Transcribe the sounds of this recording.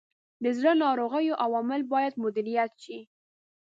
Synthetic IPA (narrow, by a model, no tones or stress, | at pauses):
d̪əzɽənɑɾoɣəjoʔawɑmɪlbɑjad̪mʊd̪ɪɾijat̪ʃi